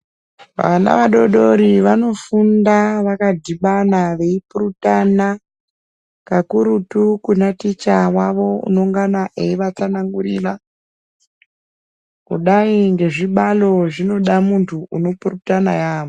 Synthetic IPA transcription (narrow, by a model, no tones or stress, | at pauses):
ʋa̰ana̰ʋaɗo̞ɗo̞ɾiʋano̞fundaʋakadʱiɓanaʋe̞ipuɾutana | kakuɾutukunatit͡ʃawaʋo̞ṵno̞ŋɡanaʔeiʋat͡sanaŋɡurira | kṵɗaiŋɡe̞ʐiɓalo̞ʐino̞ɗamuntʰuʔuno̞purutanajaːʋo